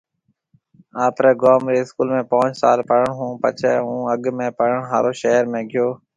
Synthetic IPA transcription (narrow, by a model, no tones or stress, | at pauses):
aːpɾɛːɡoːmɾiːɪskuːlmẽːpõːt͡ʃsa̰ːlpəɾəɳɦũːpə̰t͡ʃʰɛːɦũːəɡmẽːpəɽəɳɦa̰ːɾoːʃeːɾmẽːɡɪjoː